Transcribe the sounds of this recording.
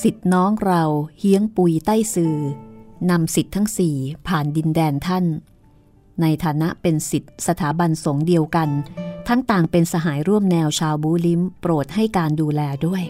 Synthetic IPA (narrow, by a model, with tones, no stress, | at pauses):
si˨˩t̪̚nɔː˦˥ŋɾa˧whi˦˥əŋpu˧jt̪a˥˩jsɯː˧na˧msi˨˩t̪ʰːa˦˥ŋsiː˨˩pʰaː˨˩ndi˧ndɛː˧nt̪ʰa˥˩nː | a˧jt̪ʰaː˩˦na˦˥ʔpe˧nsi˨˩t̪̚sa˧t̪ʰaː˩˦ba˧nso˩˦ŋdi˧əwka˧nt̪ʰa˦˥ŋt̪aː˨˩ŋpe˧nsa˧ɦaː˩˦jɾu˥˩əmnɛː˧wt͡ɕʰaː˧wbuː˦˥li˦˥mpɾoː˨˩t̪̚ha˥˩jkaː˧nduː˧lɛː˧du˥˩əj